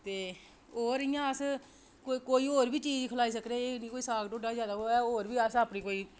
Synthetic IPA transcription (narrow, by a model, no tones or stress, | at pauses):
t̪eː | oːɾɪjãːəs | kokoːiːoːɾbiːt͡ʃiːd͡ʒkʰəlaːiːs̬əkɾeeːnĩːkoːiːsaːkʈõɖaːzjaːd̪aːɦoːɛːoːɾbiːəsəːpniːkoːiː